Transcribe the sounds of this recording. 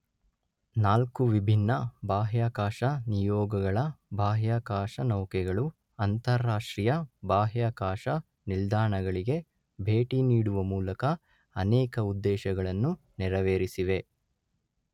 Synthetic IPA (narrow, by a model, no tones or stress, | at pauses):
naːlkuʋibʱinːɐbaːɦjaːkaːʃɐnijɔːɡɐɡɐɭɐbʱaːɦjaːkaːʂɐnɐwkɛɡɐɭu | ɐnt̪ɐɾːaːʂʈɾijɐbaːɦjaːkaːʂɐ | nild̪aːɳɐɡɐɭiɡe̞ | bʱe̞ːʈiniːɽuʋɐmuːlɐkɐ | ɐnɛːkɐud̪ːɛːʃɐɡɐɭɐnːu | nɛɾɐʋeːɾisiʋe̞